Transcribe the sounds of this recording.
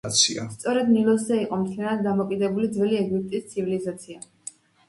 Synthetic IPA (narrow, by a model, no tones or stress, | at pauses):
t̪sʰia̰st̪sʼɔɾɛd̪nilˠɔs̬zɛiqʼɔmt̪ʰlɛnad̪̚d̪amɔkʼid̪ɛbulid̪zvɛliɛɡip̚t̪ʼist̪sʰivilizat̪sʰia